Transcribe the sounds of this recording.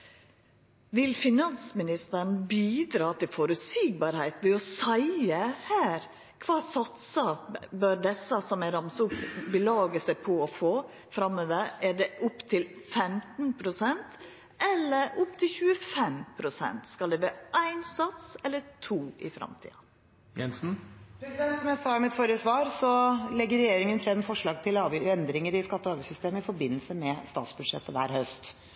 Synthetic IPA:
ʋɪlfɪnɑnsmɪnɪst̪əɳ̩biːd̪ɾɑːt̪ʰɪlfoːɾʉt̪siːɡ̚bɑɾhæɪt̪ʋɛɔsæɪəhæːɾ | kʰʋɑːsɑt̪səbøːɾd̪ɛsːəsɔmæɪɾɑmsʊpbəlɑːɡəsæɪpʰɔɔfoː | fɾɑmːəʋəæɖɛʔʊpːt̪ʰɪlfɛmt̪n̩pʰɾʊsɛnt̪ | ɛlːəɾʊpːt̪ʰɪlçʉːəfɛmpʰɾʊsɛ̰nt̪skɑld̪ɛʋæːʔæɪnsɑt̪sɛlːət̪ʰuːʔɪ̰fɾɑ̰mt̪ʰḭːɑ | jɛnsn̩pʰɾɛsɪd̪ɛnt̪sɔmjæɪsɑːmɪt̪foːɾəsʋɑːɾsɔlɛɡːəɾɛjeːɾɪŋənfɾɛmːfɔʂɭɑːɡt̪ʰɪlɑːʋjɛnd̪ɾɪŋəɾɪskɑt̪ːəɑːʋəsʏst̪eːməɪfɔɾbɪnːəlsəmɛst̪ɑ̰ːt̪sbʉd̪ʂɛ̰t̪ːəʋæ̰ːɾhœst̪

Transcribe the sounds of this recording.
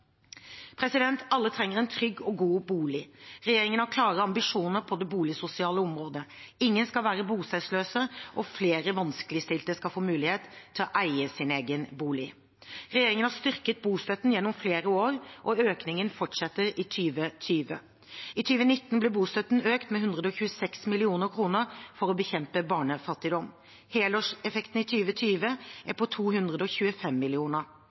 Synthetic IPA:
pʰɾɛsɪd̪ɛnt̪ɑlːət̪ʰɾɛŋːəʁɛnt̪ʰɾʏɡːɔɡuːbuːlɪɾɛjeːɾɪŋənhɑɾkʰlɑːʁəɑmbɪʂuːnəɾpʰɔd̪ɛbuːlɪsʊsɪɑːləɔmɾoːd̪əɪŋːənskɑlʋæːɾəbuːst̪æsløːsəʔɔfleːɾəʋɑnsklɪst̪ɪlt̪əskɑlfoːmʉːlɪheːt̪ʰɪlɔʔæɪəsɪneːɡənbuːlɪ | ɾɛjeːɾɪŋənhɑʂst̪ʏʁkət̪̚buːst̪œt̪ːn̩jɛnːɔmfleːɾəoːʁʔɔøːknɪŋənfɔʈʂɛt̪ːəɾɪt̪ʰyːʋət̪ʰyːʋə̰ | ɪt̪ʰyːʋənɪt̪ːnblɪbuːst̪œt̪ːn̩øːkt̪mɛɦʉnd̪ʁəd̪ɔçʉːəsɛksmɪlɪuːnəɾkʰɾuːnəɾfɔɾɔbəçɛmpəbɑːɳəfɑt̪ːɪd̪ɔm | heːləʂɛfɛkt̪n̩ɪt̪ʰyːʋət̪ʰyːʋəʔæpʰɔt̪ʰuːɦʉnd̪ʁəd̪əɔçʉːəfɛmːɪlɪuːnəɾ

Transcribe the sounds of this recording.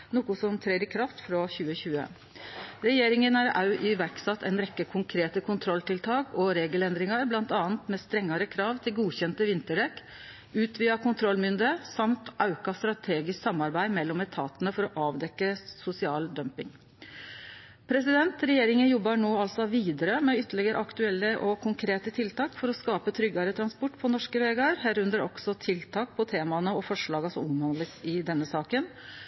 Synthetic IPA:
nʊːkʊsɔmt̪ʰɾeɪɾɪkʰɾɑft̪fɾɑçʉːəçʉːə̰ | ɾɛjeːɾɪŋənæɾɑʉʔɪʋæɾksɑt̪ʰːɛɪnɾɛkːəkʰʊŋkʰɾeːt̪əkʰʊnt̪ʰɾɔlt̪ʰɪlt̪ʰɑːkɔɾeːɡəlɛnd̪ɾɪŋɑɾblɑnt̪ɑːənt̪mɛst̪ɾɛŋːɑɾəkʰɾɑːʋt̪ʰɪlɡuːçɛnt̪əʋɪnt̪əɖɛk | ʉːt̪ʰʋiːɑkʰʊnt̪ʰɾɔlːmʏnd̪əsɑmt̪ʔɑʉkɑst̪ɾɑt̪ʰeːɡɪsksɑmɑɾbæɪmɛlːɔmɛt̪ʰɑ̰ːt̪ənəfɔɾɔʔɑːʋd̪ɛkːəsʊsɪɑːld̪œmpɪŋ | pʰɾɛsɪd̪ɛnt̪ɾɛjeːɾɪŋənjɔbːɑɳoːɑlsɔʋiːd̪əɾəmɛʏt̪ːəɭɪɡəɾə̰ɑkt̪ʉɛlːəʔɔkʰʊŋkʰɾeːt̪ət̪ʰɪlt̪ʰɑːkfɔɾɔskɑːpət̪ʰɾʏɡːɑɾət̪ʰɾɑnspɔʈːpʰɔnɔʂkəʋeːɡɑəɾɦæːɾʉnd̪əɾɔksɔt̪ʰɪlt̪ʰɑːk̚pʰɔt̪ʰeːmɑnəɔfɔʂɭɑːɡɑsɔmɔmhɑnd̪ləsɪd̪ɛnːəsɑːkən

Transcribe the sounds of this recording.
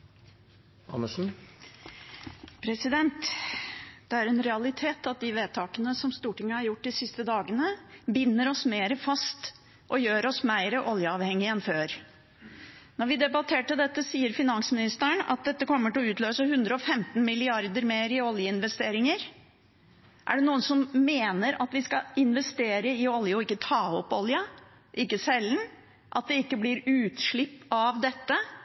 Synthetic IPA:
ɑ̰nːəʂn̩ | pʰɾɛsɪd̪ɛnt̪ | d̪̥ɛæɾɛnɾɛɑlɪt̪ʰeːt̪ɑt̪̚d̪ɪʋeːt̪ʰɑːkənəsɔmst̪uːʈɪŋːəhɑɾjʊʈ̚ːd̪ɪsɪst̪əd̪ɑːɡənəbɪnːəɾɔsmeːɾəfɑst̪ | ʔɔjøːɾɔsmæɪɾəʔɔljəɑːʋhɛŋːɪɛnføːɾ | nɔɾʋɪd̪ɛbɑt̪ʰeːʈɪld̪ɛt̪ːəsiːəɾfɪnɑnsmɪnɪst̪əəɳɑ̰t̪̚d̪ɛt̪ːəkɔmːəʈɪlɔʉːt̪løːsəhʉnd̪ɾəɔfɛmt̪n̩mɪlɪɑɾd̪əɾmeːɾɪɔljəɪnʋɛst̪eːɾɪŋəɾ | ʔæ̰ɖɛnuːənsɔmmeːnəɾɑt̪ʋɪskɑɪnʋɛst̪eːɾəɪɔljəɔɪkːət̪ʰɑːɔpːɔljɑ | ʔɪkːəsɛlːn | ʔɑt̪̚d̪ɛɪkːəblɪɾʉːt̪ʂɭɪpːɑʋd̪ɛt̪ːə

